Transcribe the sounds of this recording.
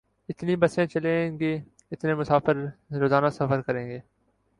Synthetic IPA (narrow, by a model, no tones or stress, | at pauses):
ɪt̪niːbəsẽːt͡ʃəlẽɡeː | ɪt̪nẽːmʊsaːfəɾɾoːzaːnaːsəfəɾkəɾẽːɡeː